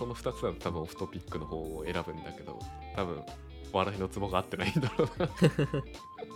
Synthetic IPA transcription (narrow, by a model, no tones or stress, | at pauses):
so̞no̞ɸɯ̥t̪at͡sɨat̪ʰabɯ̟̃oɸɯ̟̥t̪o̞pʲikːɯ̟no̞ho̞ːoe̞ɾabɯ̟̃nd̪ake̞d̪o̞̰ | t̪abɯ̟̃ɰ̃ | βaɾaino̞t͡sɨbo̞ɡaːt̪ːe̞naid̪oɾo